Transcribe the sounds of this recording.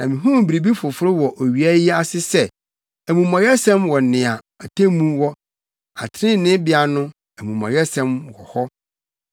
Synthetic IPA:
nã˨mɪ̃˨ɦũ˦m˨bi˨ɾi˨bi˦fʊ˨fʊ˦ɾɪ˦wɔ˨ʔo˨ɥi˨æ˦ji˦a˦sɪ˦sɛ˦˨ | æ˨mũ˨mã˨ɥɛ˦sɛ̃˦mwɔ˨nɪ̃˨a˨ | a˨tʰæ̃˦mũ˦wɔ˦ | a̰˨tʰɾɪ̃˦nɪ̃˦bɪ˨˦a˨nʊ̃˦ | æ˨mũ˨mã̰˨ɥɛ˦sɛ̃˦mwɔ̰˨hɔ˦

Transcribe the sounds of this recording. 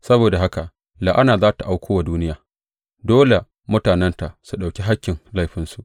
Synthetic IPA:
sɐ˦boː˨da˨ɦa˦ka˨ʔ | laː˨ʔa˦naː˨zaː˦ta˨ʔa˨wkʷoː˦wa˨duː˦nɪ˦jaː˨ | doː˦le˨ | mʊ˦taː˨nɛ˦nta˨ʔsu˨ɗa˨wkʲi˦ɦa˦kʲːɪ˨ŋla˦jɸɪ˦nsu˨ʔ

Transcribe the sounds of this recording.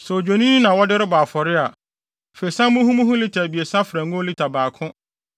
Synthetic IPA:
sɛ˨o˨d͡ʑᶣo˨nĩ˦nĩ˦nã˨wɔ˦dɪ˦ɾɪ˦baː˨fɔ˨ɾɪ˦a˨ | fe˨i˨sã˦mʊ̃˦ɦũ˦mũ˦ɦʊ̃˦li˦tʰa˨bi˨e˨sã˦fɪ˨ɾa˨ŋʊ̃˦li˦tʰa˨baː˨kʰʊ̃˦

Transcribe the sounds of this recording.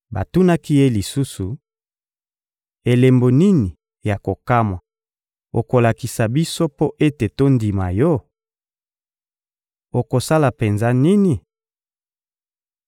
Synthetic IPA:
ba̰˨tu˦na˦ki˦je˦li˨su˦su˨ | e˨le˨mbo˨ni˦ni˨ | ja˨ko˨ka˦mwa˨ | o̰˨ko˨la˨ki˨sa˨bi˦so˦po˦ʔe˦te˨to˦ndi˨ma˨jɔ˦ | o˨ko˨sa˦la˨pe˨nza˦ni˦ni˨

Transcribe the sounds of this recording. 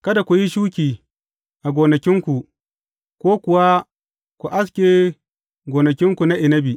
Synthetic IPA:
kɐ˦da˨kʷu˨ji˦ʃuː˦kʲiː˨ | ʔa˨ɡʷoː˨nɐ˨kʲɪ˦ŋkʷu˨ | kʷoː˦kʷʊ˨wa˦ | kʷu˨ʔa˦s̬kʲeː˨ | ɡʷoː˨nɐ˨kʲɪ˦ŋkʷu˨na˦ʔɪ˨nɐ˦bi˨

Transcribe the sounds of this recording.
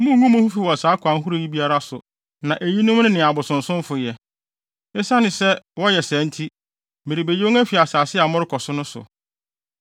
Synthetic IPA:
mʊ̃˦ŋũ˦mʊ̃˦hu˦fi˦˨wɔ˨saː˨˦kʰã˨˦n˦ɦu˦ɾu˦˨ji˦bi˦a˦ɾa˦sʊ˨ | nã˨ʔæ˨ji˦nʊ̃˦m˦nɪ̃˦nɪ̃˨a˨bʊ˨sʊ̃˨n˨sʊ̃˦mfʊ˨jɛ˨ | ɪ˦sa˦nɪ̃˨sɛ˦wɔ˦jɛ˨sæ̃˨˦n̩˦tʰi˦ | mɪ̃˨ɾi˨be˨jo˦o˦æ˦fi˨a˨saː˨sɪ˦a˨mʊ̃˦ɾɪ˦kʰɔ˨sʊ˦nʊ̃˦sʊ̰˨

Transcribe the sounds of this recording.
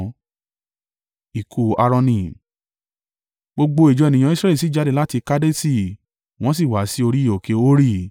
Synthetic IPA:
i˨kʰu˨a˧ɾɔ̃˧nĩ˧˨ | ɡ͡bo˧ɡ͡bo˧e˨d͡ʒɔ˨˦˨nĩ˧j̃ã˧˦i˦sɾɛ˦li˨i˨˦d͡ʒa˧de˦˨la˦ti˧ka˦de˦si˦˨ | w̃ɔ̃˦s̬i˦˨wa˨˦si˦o˧ɾi˦˨o˨ke˧o˦ɾi˦˨

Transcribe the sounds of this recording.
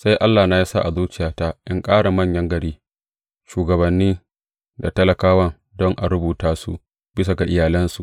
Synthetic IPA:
sa˦jʔa˦lːaː˨naː˨ja˦sa̰˦ʔa˨zuː˦t͡ʃɪ˦jaː˨ta˦ʔɪ˦ŋkʼaː˦ɽa˨mɐ˦ɲjɐ˦ŋɡɐ˨ɾiː˦ | ʃuː˨ɡɐ˨bɐ˨nːiː˦ | da̰˨tɐ˦lɐ˨kaː˦wɐ˦ŋ | dɔ˦ŋʔa˨ɽʊ˦buː˨taː˦sṵ˦ | b̥ɪ˦s̬a˨ɡa˨ʔɪ˦jaː˨lɐ˦nsu˨ʔ

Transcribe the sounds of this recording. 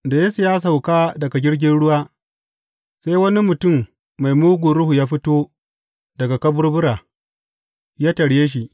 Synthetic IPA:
da˨jeː˦su˨jaː˦s̬a˨wkaː˦dɐ˨ɡa˨ɡʲɪ˦ɽɡʲɪ˦nɽʊ˦waː˦ | sa˦jwɐ˦ni˦mʊ˨tʊ˦˨mː | a˨jmuː˦ɡʷu˨ɾʊ˦hu˨jaː˦ɸɪ˦toː˦ | dɐ˨ɡa˨kɐ˦bʊ˦rbʊ˦ɾaː˨ | jaː˦tɐ˨ɽjeː˦ʃ̬i˨ʔ

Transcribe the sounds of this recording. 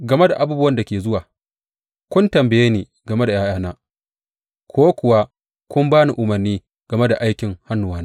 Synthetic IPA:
ɡɐ˨me˦da˨ʔa˨buː˦bʊ˦wɐ˦nda˨kʲeː˨zʊ˦waː˨ | kʷʊ˦ntɐ˨mbɐ˨jeː˦niː˨ | ɡɐ˨me˦da˨jaː˦jaː˦naː˦ | kʰʷoː˦kʷʊ˨wa˦ | kʷʊ˦mbaː˦ni˨ʔʊ˨mɐ˨rniː˦ | ɡ̥ɐ˨me˦da˨ʔa˦jkʲɪ˨ŋha˦nːʊ˨waː˦na˦

